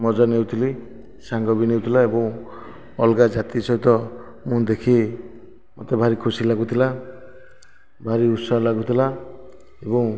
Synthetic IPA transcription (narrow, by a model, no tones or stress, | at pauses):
mɔd͡ʒanewt̪ʰili | saŋɡɔbinewt̪ʰilaebɔŋ | ɔlɡad͡ʒat̪isɔɦit̪ɔ | mũd̪ekʰi | mot̪ebʱaɾikʰusilaɡut̪ʰila | bʱaɾiut̪sɔlaɡut̪ʰila | ebɔŋ